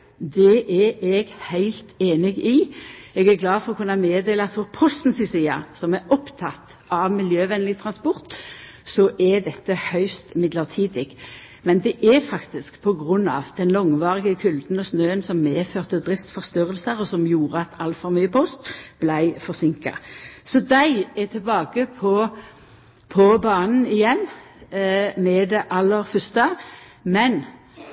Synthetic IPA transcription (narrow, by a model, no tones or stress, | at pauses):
d̪ɛʔæɛɡhæɪlt̪ʰeːnɪɡɪɛɡæɾɡlɑːfɔʁɔkʰʉnːɑmeːd̪eːləɑt̪fɔʁpʰɔst̪n̩sɪsiːɑ̰sɔmæɔpt̪ʰɑt̪ː | ɑʋmɪljøːʋɛnlɪt̪ʰʁɑnspɔʁt̪ | sɔʔæd̪ɛt̪ːəhœʏst̪mɪd̪ləʁt̪ʰiːd̪ɪɡ | mɛnd̪ɛʔɛfɑkt̪ɪskpʰɔɡʁʉnːɑ̰ːʋd̪ɛnlɔŋʋɑːʁɪɡəkʰʉld̪n̩ɔsnøːənsɔmːeːføːʁt̪əd̪ʁɪft̪sfɔʁst̪øʁəlsəʁɔsɔmjuːʁəɑt̪ʰɑlt̪fɔʁmyːəpʰʊst̪b̥læɪfɔʁsɪŋkɑ̰sɔd̪æɪɛt̪ʰɪlbɑːɡəpʰɔ | pʰɔbɑːnn̩ɪjɛnː | mɛd̪ɛʔɑlːəɾfœst̪əmɛn